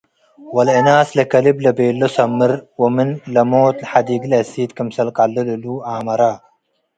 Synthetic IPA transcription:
wɐlɐnaːslɐkɐliblɐbeːlːɐsɐmːɨɾwɐmɪnlɐmoːt̪lħad̪iːɡlɐsiːt̪kɐmsɐlqalːɨluluaːmɐɾaː

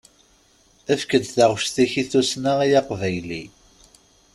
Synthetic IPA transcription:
æfkəlt̪θæʁʃθiçiθusnaʁijaqvæjli

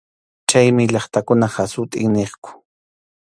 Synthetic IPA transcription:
t͡ʃajmɪʎɑχt̪akʊnahasʊt̪ʼɪŋneχkʊ̥

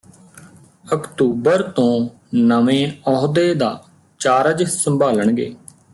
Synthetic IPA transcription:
əkt̪uːbəɾt̪õː | nəʋẽːɔːɦd̪eːd̪a̰ː | t͡ʃaːɾəd͡ʒsəmbʱaːləɳɡḛː

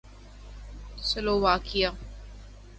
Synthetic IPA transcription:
səloːʋaːkija

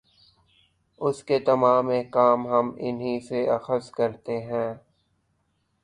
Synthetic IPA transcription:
ʊsket̪ɐmaːmekaːmɦɐmɪnɦĩseɐxəskɐɾt̪eɦɛ̃ː

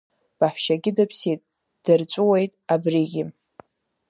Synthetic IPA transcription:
b̥aħʷʃaɡʲɪdapʰsitʼ | d̥art͡sʷʼuwejtʼabriɡʲɪ

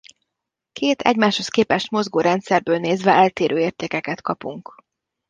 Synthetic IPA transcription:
kʰeːt̪ʰɛ̰ɟmaːʃho̞skeːpɛʃt̪mo̞zɡoːɾɛnt̪sɛrbøːlneːzʋɛɛlt̪eːɾʔøːeːrt̪eːkɛkɛt̪kɒpuŋk

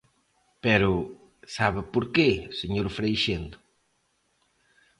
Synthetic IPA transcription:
pɛɾʊ | saβɪpoɾkeseɲoɾfɾejʃend̪ʊ

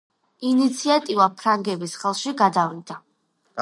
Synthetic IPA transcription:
init̪sʰiat̪ʼivapʰɾaŋɡɛbisχɛlˠʃiɡad̪avind̪a

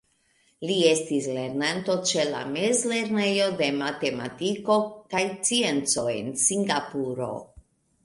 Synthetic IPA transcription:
lie̞stisle̞ɾnanto̞t͡ʃe̞la̰me̞zle̞ɾne̞jo̞de̞mate̞ma̰tiko̞kajt͡sie̞nt͡so̞ḛnsiŋɡapuɾo̞̰

